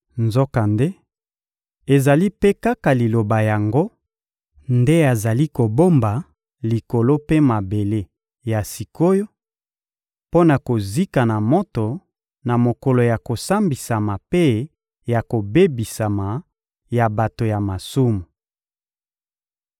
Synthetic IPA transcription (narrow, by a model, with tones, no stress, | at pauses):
nzo˦ka˨nde˦ | e˨za˨li˦pe˦ka˦ka˨li˨lo˨ba˨ja˨ŋɡo˦ | nde˦a˨za˨li˦ko˨bo˦mba˨ | li˨ko˨lo˦pe˦ma˨be˨le˦ | ja˨si˨ko˦jo˦ | po˦na˨ko˨zi˦ka˨na˨mo˦to˨ | na˨mo˨ko˨lo˨ja˨ko˨sa˦mbi˨sa˨ma˨pe˦ | ja˨ko˨be˦bi˨sa˨ma˨ | ja˨ba˨to˨ja˨ma˨su˦mu˨